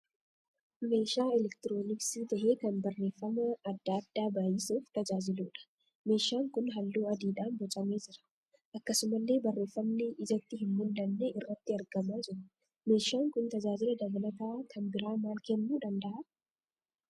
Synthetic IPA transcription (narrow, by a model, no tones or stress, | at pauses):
me̞ːʃaːɛlɛkt̪ɪɾo̞ːnɪksiːt̪ɐʔeːkɐnbɐrːe̞ːfːɐmɐːd̪ːad̪̥ːaːbaːjɪsuːft̪ɐd͡ʒaːd͡ʒɪluːᶑɐ̥ | me̞ːʃaːŋkʊnɦɐlːuːɐd̪iːᶑaːnbɔt͡ʃʼɐme̞ːd͡ʒɪɾɐ̥ | ʔɐkːɐsʊmɐlːe̞ːbɐrːe̞ːfːɐmnɛʔɪd͡ʒɐt̪ːɪɦɪmmʊnd̪ɐnːeːʔɪrːɐt̪ːɪɐɾɡɐmaːd͡ʒɪɾɐ | me̞ːʃaːŋkʊnt̪ɐd͡ʒaːd͡ʒɪlɐd̪ɐblɐt̪aːkʰɐnbɪɾaːmaːlkɛnːuːᶑɐnd̪ɐʔa